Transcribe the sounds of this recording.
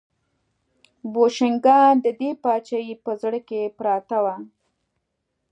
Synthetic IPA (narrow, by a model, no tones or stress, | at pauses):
boʃɪŋɡɑd̪əd̪epɑt͡ʃajipəzɽəkepɾɑt̪awa